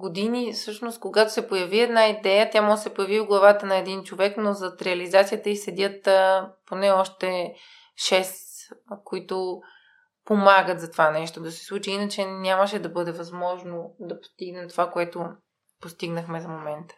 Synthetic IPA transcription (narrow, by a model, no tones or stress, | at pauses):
ɡod̪inifsɤʃnost̪̚koɡat̪o̥sɛpojɐviɛd̪naid̪ɛjət̪jamɔəsɛpojɐvioɡlˠɐvat̪ənɐɛd̪int͡ʃovɛknozɐt̪ɾɛɐlizat̪sʲijət̪əisɛd̪ʲət̪əponɛɔʃt̪ɛ | ʃɛskoit̪o | pomaɡət̪zɐt̪ovanɛʃt̪od̪ɐsɛ̥slˠut͡ʃiinət͡ʃɛnʲaməʃɛd̪ɐbɤd̪ɛvɐzmɔʒnod̪ɐpo̥st̪iɡnɛmt̪ovakoɛt̪o | post̪iɡnəxmɛzɐmomɛnt̪ə̥